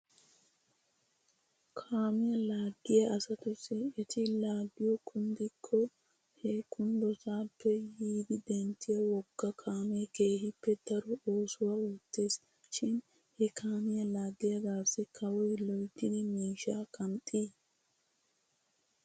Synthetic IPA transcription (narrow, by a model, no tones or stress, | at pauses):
kʰaːmɪjɐlaːɡːɪjɐʔɐsɐt̪ʊsɪɪt̪ʰɪlaːɡːɪjɔkʰʊnd̪ɪkʰːɔ | hɛkʰʊnd̪ɔsaːpʰːɛjiːd̪ɪd̪ɛnt̪ːɪjɐwɔɡ̥ːɐkʰaːmekeːɦɪpːɛd̪̥ɐɾɔoːsʊwauːt̪ːeːs | ʃɪn | hɛkʰaːmɪjɐlaːɡːɪjɐɡaːsɪkʰɐwɔjlɔjt̪ːɪd̪ɪmiːʃaːkɐnt̪ʼːiː